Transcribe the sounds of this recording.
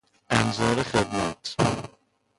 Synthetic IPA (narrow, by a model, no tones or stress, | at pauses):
ænzɑːɾexed̪mæt̪ʰ